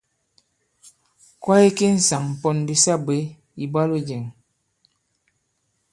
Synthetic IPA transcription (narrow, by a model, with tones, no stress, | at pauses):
kwa˦i˦ki˦n̩˨sa˨ŋm̩˨pɔ˨n˨di˦sa˦˨be˨˦ | i˨ba˦lu˦d͡ʒe˨ŋ